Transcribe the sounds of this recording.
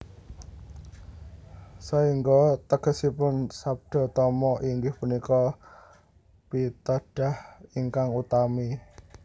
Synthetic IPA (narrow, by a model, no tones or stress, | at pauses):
saiŋɡɔt̪əɡ̥ə̤sipʊnsap̚ɖ̪̥ɔ̤t̪ɔmɔʔiŋɡɪhpunikɔ | pit̪ɔɖ̥a̤hiŋkaŋut̪ami